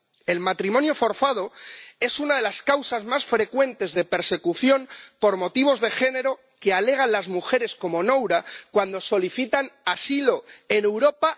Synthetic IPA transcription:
e̞lmat̪ɾimõ̞njo̞fo̞ɾθað̞o̞e̞sunaðe̞laskawsazmasfɾe̞kwe̞nt̪e̞zðe̞pe̞ɾse̞kuθjo̞mpo̞ɾmo̞t̪iβ̞o̞zðe̞xe̞ne̞ɾo̞ | ke̞ale̞ɣ̞anlazmuxe̞ɾe̞sko̞mo̞nowɾakwand̪o̞so̞liθit̪anasilo̞e̞ne̞wɾo̞pa

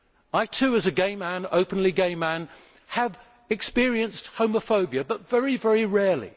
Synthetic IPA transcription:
aɪtʰʉːəzɨɡẽɪ̃mːæ̃nə̰ʊpə̃nliɡẽɪ̃mːæ̃n | əv | ɨkspɪəɹiə̃nst̚hə̃ʊ̃məfəʊbiɨbʌtv̥ɛɹivɛɹiɹɛːlḭ

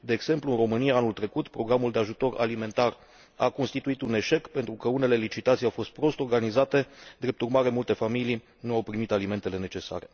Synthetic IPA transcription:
d̪e̞ːɡz̥e̞mpluɨnro̞mɨniaanult̪ɾe̞kut̪pɾo̞ɡɾamuld̪e̞aʒut̪o̞ɾa̰lime̞nt̪ar | a̰ko̞nst̪it̪uit̪une̞ʃe̞kpe̞nt̪ɾukəune̞le̞lit͡ʃit̪at̪sijawfo̞st̪̚pɾo̞st̪o̞rɡanizat̪e̞d̪ɾe̞p̚t̪urmaɾe̞mult̪e̞familij | nuawpɾimit̪alime̞nt̪e̞le̞ne̞t͡ʃe̞sa̰ɾe̞

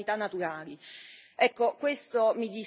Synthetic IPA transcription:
it̪anːat̪uɾaːliɛkːokwest̪omid̪iː

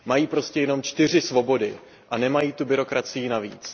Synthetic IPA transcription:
majiːpɾo̞scɛjɛno̞mt͡ʃt̪ɪr̝ɪsvo̞bo̞dɪ | ʔanɛmajiːt̪ubɪɾo̞kɾat͡sɪjɪnavḭːt͡s

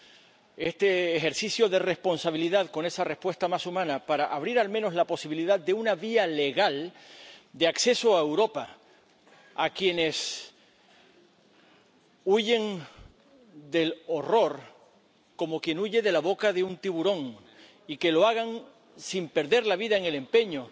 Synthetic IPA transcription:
e̞st̪e̞ːxe̞ɾθisθjo̞ðe̞re̞spo̞nsaβiliðaðko̞ne̞sare̞hpwe̞st̪amasumãnapaɾaʔaβ̞ɾiɾalmẽno̞slapo̞siβiliðaðd̪e̞unaβiale̞ɣal | d̪e̞akse̞soaewɾo̞pa | akje̞ne̞s | uʝe̞ŋ | d̪e̞lo̞ro̞ɾ | ko̞mo̞kje̞nuʝe̞ðe̞laβo̞kaðe̞unt̪iβuɾõ̞ŋ | ike̞lo̞aɣaŋ | simpe̞ɾðe̞ɾlaβiðaeŋe̞le̞mpe̞ɲo

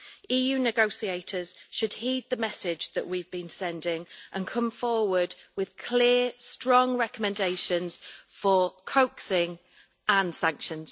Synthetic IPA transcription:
iːjʉːnɪɡoʊsieɪtʰəz̥ʃəd̥hiːd̪̚ðəmɛsɪd͡ʒðə̰ʔwivbĩnsɛ̃ndɪ̃ŋʔə̃nkʰʊ̃ɱfɔːwədwɪð̥kʰl̥ɪəstɹ̥ɒ̃ŋɹɛkəmɛ̃ndeɪʃə̃nz̥fəkʰoʊksɪ̃ŋ | ʔə̃nsãŋkʃə̃nz̥

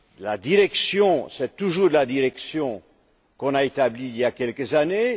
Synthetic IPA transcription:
lad̪iʁɛksjɔ̃sɛt̪uʒuːʁd̪əlad̪iʁɛksjɔ̃ | kɔ̃naet̪abliːljakʲɛlkəzane

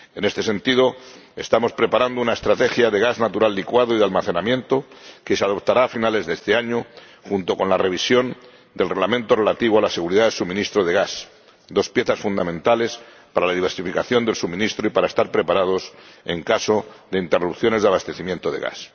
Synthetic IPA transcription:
e̞ne̞st̪e̞se̞nt̪ið̞o̞e̞st̪amo̞spɾe̞paɾand̪ounaest̪ɾat̪e̞xjaðe̞ɣ̞aznat̪uɾalːikwaðoiðealmaθe̞namjẽ̞nt̪oke̞seað̞o̞p̚t̪aɾaːfinale̞zðest̪e̞aɲo | xunt̪o̞ko̞nlare̞β̞isjo̞n | d̪e̞lreɣlamẽnt̪o̞re̞lat̪iβoalase̞ɣuɾiðaðe̞lsumĩnist̪ɾoð̞eɣas | d̪o̞spje̞θasfund̪amẽ̞nt̪ale̞s | paɾalaðiβeɾsifikaθjo̞nd̪e̞lsumĩnist̪ɾoipaɾae̞st̪aɾpɾe̞paɾað̞o̞se̞̰ŋkaso̞ðeint̪e̞rupθjo̞ne̞zðaβast̪e̞θimjent̪oðeɣa̰s

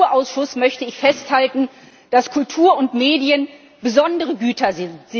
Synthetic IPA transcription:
ɐʔaʊsʃʊsmœçtəɪçfɛsthaltn̩ | d̥askʰʊltʰuːɐʊntmeːdiən | b̥əzɔndəʁəɡyːtʰɐ

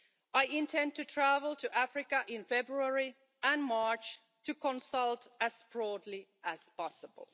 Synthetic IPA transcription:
aɪɪ̃ntʰɛ̃n̚tɨtʰɹ̥ævəl̩ˠtʰɨʔæfɹɪkəʔɪ̃nfɛbɹuəɹi | ə̃nmɑɹt͡ʃ | tʰɨkʰə̃nsʌlˠtɨz̥b̥ɹɔdˡliʔəz̥pɑsəbə̰l̩ˠ

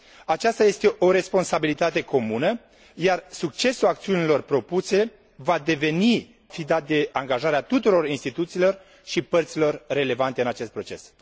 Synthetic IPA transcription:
at͡ʃast̪aje̞st̪e̞ʔo̞ɾe̞spo̞nsabilit̪at̪e̞ko̞munə | jarsuk̚t͡ʃe̞sulak̚t̪siunilo̞rpɾo̞puse̞ | vad̪e̞ve̞ni | fid̪at̪̚d̪e̞aŋɡaʒaɾeat̪ut̪uɾo̞rinst̪it̪ut̪siːlo̞r | ʃipərt̪silo̞rːe̞le̞vant̪e̞ɨnat͡ʃe̞st̪̚pɾo̞t͡ʃe̞̰s

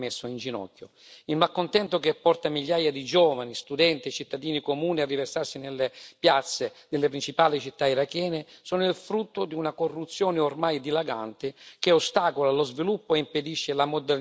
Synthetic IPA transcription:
mesːʊind͡ʒinɔ̰kːjʊ̰ | ilmakːont̪ɛnt̪okepːɔrt̪amiʎːaːjad̪id͡ʒɔːvanist̪ud̪ɛnt̪it͡ʃit̪ːad̪iːnikomuːniarːiversarsinelːɪpjat̪sːɪd̪ɪlːɪpɾint͡ʃipaːlit͡ʃit̪ːaiɾakɛːnɪsɔːnʊilfɾut̪ːʊd̪iunakorːut̪sːjɔːnɪormajd̪ilaɡa̰nt̪ɪk̟eost̪aːkolalozvilupːoeimped̪iʃːɪlamod̪ɛ

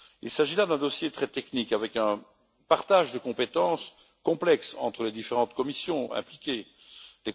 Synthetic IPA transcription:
ilsaʒilad̪ɛ̃d̪ɔsjet̪χɛt̪ɛknikavɛkɛ̃ | paʁt̪aːʒd̪əkɔ̃pet̪ɑ̃s | kɔ̃plɛksɑ̰̃t̪χəled̪ifeʁɑ̃t̪kɔmisjɔ̃ɛ̰̃plikʲe | le

